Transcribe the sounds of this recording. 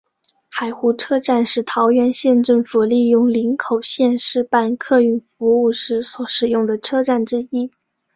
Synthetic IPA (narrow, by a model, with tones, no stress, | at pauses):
xa˨˩ɪxu˧˥ʈ͡ʂʰɤ˥ʈ͡ʂa˥˧nʂɻ̩˥˩t̪ʰɑ˧˥ʊɥɛ˧˥nɕjɛ˥˧nʈ͡ʂɤ˥˩ŋfu˨˩li˥˧jʊ˥˩ŋli˧˥ŋkʰo˨˩ʊɕjɛ˥˧nʂɻ̩˥˧pa˥˧nkʰɤ˥˧y˥˩nfu˧˥u˥˩ʂɻ̩˧˥swɔ˧˥ʂɻ̩˨˩jʊ˥˩ŋd̪ə˩ʈ͡ʂʰɤ˥ʈ͡ʂa˥˩nʈ͡ʂɻ̩˥i˥